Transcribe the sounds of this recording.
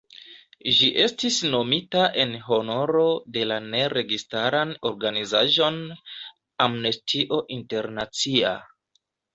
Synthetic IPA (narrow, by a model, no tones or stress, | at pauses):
ʒiʔe̞stisno̞mitaʔe̞nɦo̞no̞ɾo̞de̞lane̞ɾe̞ɡistaɾano̞ɾɡanizaʒo̞n | amnestʰiʔo̞ʔinte̞ɾnat͡sia̰